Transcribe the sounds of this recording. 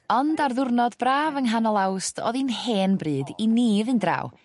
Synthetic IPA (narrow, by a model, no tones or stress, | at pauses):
ɔndarðʊrnɔdbraːvəŋɦanɔlˠawstʰɔ̰ðinheːnbrɨːdiniːðɨndra̰ːw